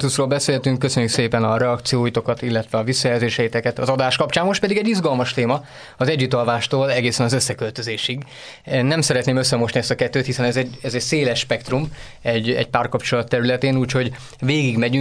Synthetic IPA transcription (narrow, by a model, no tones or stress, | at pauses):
t̪usroːlbɛseːlt̪yŋkːøsø̞ɲːykseːpɛnɒɾɛɒkt̪sijoːjit̪o̞kɒt̪ilːɛt̪ʋɛɒvisːɒjɛlzeːʃɛit̪ɛkɛt̪ɒ̰zɒd̪aːʃkɒpt͡ʃaːmmo̞ʃt̪pɛd̪iɡɛɟːizɡɒlmɒʃt̪eːmɒ | ɒzɛɟːut̪ɒlvaːʃt̪oːlɛɡeːsɛnɒzøsːɛkø̞lt̪ø̞zeːʃiɡ | nɛmsɛɾɛt̪neːmøsːɛmoʃniɛst̪ɒkɛt̪ːøːt̪hisɛnɛzɛɟɛzɛɟseːlɛʃʃpɛkt̪rum | ɛɟɛ̰ɟ̚paːrkɒpt͡ʃo̞lɒt̪ːɛɾylɛt̪eːnuːcho̞ɟ | veːɡiɡmɛɟy